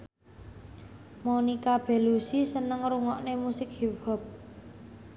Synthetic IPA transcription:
monikab̥e̤lusisənəŋɾuŋɔʔnemusɪk̚hiba̤p̚

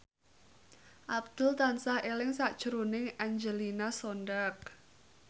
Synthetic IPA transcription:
ʔab̚d̪̥ʊ̤lt̪ansahelɪŋsaʔd̥ʒ̥əɾunɪŋʔaɲd͡ʒəlinasɔɳɖak̚

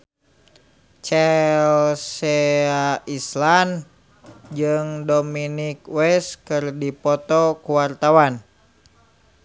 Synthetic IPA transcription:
t͡ʃɛlsɛaislan | d͡ʒɨŋdominikwɛskɨrdipɔt̪ɔkuwart̪awan

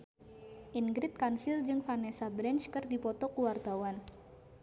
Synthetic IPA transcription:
ʔiŋɡɾɪt̪̚kansɪrd͡ʒɨŋfanɛsabɾɛnt͡ʃkɨrdipɔt̪ɔkuwart̪awan

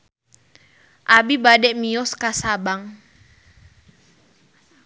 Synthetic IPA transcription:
ʔabibadɛʔmiɔskasabaŋ

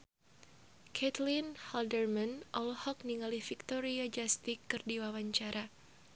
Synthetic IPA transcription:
kʰɛt̪linhaldərmanʔɔlhɔk̚niŋalifik̚t̪ɔɾiad͡ʒast̪ikːɨrdiwawaɲt͡ʃaɾʔa

